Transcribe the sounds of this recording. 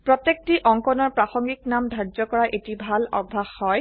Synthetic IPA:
pɹɔtek̚tiʔɔŋkɔnɔɹpɹaxɔŋɡiknamdʱazɔkɔɹaʔetibʱalɔ̰bʱaxːɔj

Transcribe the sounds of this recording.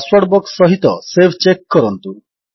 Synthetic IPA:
swaʈ̚bɔksːɔɦit̪ɔsebʰt͡ʃekːɔɾɔnt̪u

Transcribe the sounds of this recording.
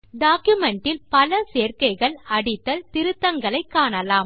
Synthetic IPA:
ɖaːkjʊmɛɳʈɪlpɐlɐseːɾkɐɪɣɐɭɐɽɪt̪ːɐlt̪ɪɾɯt̪ːɐŋɡɐɭɐɪkːaːɳɐlaːm

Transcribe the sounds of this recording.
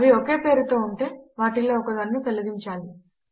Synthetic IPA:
ʋioke̞ːpe̞ːɾut̪o̞ːuɳʈe̞ːʋaːʈiloːɔkɐd̪ɐnːut̪ɐluɡ̪iɲt͡ʃaːli

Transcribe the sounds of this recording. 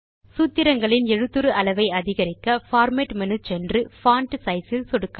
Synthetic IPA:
sut̪ːɪɾɐŋɡɐɭɪnɛɻɯt̪ːɯɾɯʔɐlɐʋɐɪɐðɪɣɐɾɪkːɐfaːɾmeʈmɐnɯt͡ʃɛndrɯfaːɳʈsɐɪsɪlsɔɽɯkːa

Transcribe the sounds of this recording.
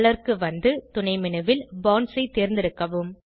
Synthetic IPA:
ɭɐɾkɯʋɐnd̪ɯt̪ʊɳɐɪmɪnɯʋɪlbaːnsɐɪt̪ːeːɾnd̪ɪɾɯkːɐʋɯm

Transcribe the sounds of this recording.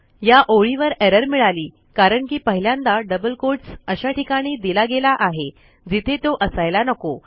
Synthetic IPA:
jaʔoɭiʋəɾɛɾəɾmiɭaliː | kaɾəɳkiːpəɦiljãnd̪aɖəbəlkoʈsəɕaʈikaɽ̃iːd̪ilaɡelaʔaɦe | d͡zit̪ʰet̪oʔəsajlanəko

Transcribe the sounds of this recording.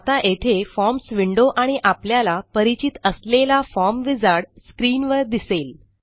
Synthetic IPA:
at̪aʔet̪ʰefɔɾmsʋiɳɖoʔaɽ̃iʔapljalapəɾit͡ɕit̪əslelafɔɾmʋid͡zaɽskɾiːnʋəɾd̪isel

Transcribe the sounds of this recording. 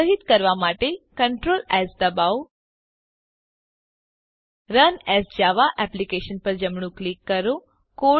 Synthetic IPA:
əɦit̪kəɾʋamaʈekəɳʈɾoːlɛsd̪əbaw | ɾənɛsd͡ʒaʋaʔɛplikeʃənpəɾd͡ʒəmɳ̃ũklikːəɾo | ko

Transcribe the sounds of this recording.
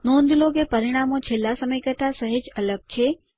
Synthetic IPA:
nond̪loɡepəɾiɽ̃amõt͡ʃʰelːasəməjkəɾt̪asəɦed͡ʒələɡ̚t͡ʃʰe

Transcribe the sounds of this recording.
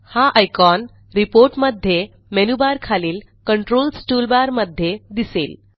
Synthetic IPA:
haʔajkɔn | ɾipoɾʈməd̪ʱːje | menubaɾkʰaliːl | kəɳʈɾoːlsʈulbaɾməd̪ʱːjed̪isḛːl

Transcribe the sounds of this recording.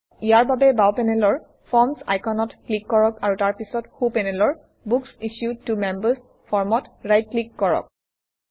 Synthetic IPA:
ijaɹbabɛbawpɛnɛlɔɹ | pʰɔɹmsa̰jkʰɔnɔtklikːɔɹɔkaɹutaɹpisɔtxupɛnɛlɔɹ | buksisjud̚tumɛmbəs | pʰɔɹmɔtɹajt̚klikːɔɹɔ̰k̚

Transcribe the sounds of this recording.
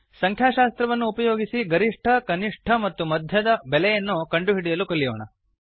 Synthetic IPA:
sɐŋkʰjaːʃaːst̪ɾɐʋɐnːuːpɐjoːɡisiɡɐɾiʂʈʰɐkɐniʂʈʰɐmɐt̪ːumɐd̪ʱjɐd̪ɐbɛlɛjɐnːukɐɳɖuɦiɽijɐlukɐɭːijoːɳɐ̰

